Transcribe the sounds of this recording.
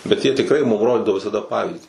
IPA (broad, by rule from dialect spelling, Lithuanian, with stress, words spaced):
bʲɛt jiɛ tʲɪkˈrɐɪ mʊm ˈroːdʲɪdɐʋoː ʋʲɪsɐˈdɐ ˈpɑːʋʲiːzʲdʲiː